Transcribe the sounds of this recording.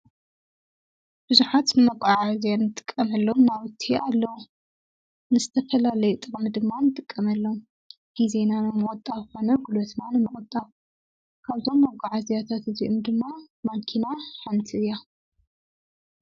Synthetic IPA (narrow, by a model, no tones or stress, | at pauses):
b̥ɨzuħat̪nɨmɐkʼːaʕazjanɨt̪ʼɨ̥kʼːɐmɐlːonawɨt̪ʰːialːɐwu | nɨzɨt̪ʰɐfɐlalɐjut̪ʼɨχʼmɨd̪ɨmːanɨt̪ʼɨkʼːɐmɐlːɐw | ɡ̥izenanɨmɨχʼt̪ʼːaβxonɐɡulot̪nanɨmɨχʼɔt̪ʼːaβ | kʰaβt̪ʰo̞mːɐkʷʼːaʕazjat̪ʰat̪ɨziʔomd̪ɨmːa | makʰinaħant̪ʰɨja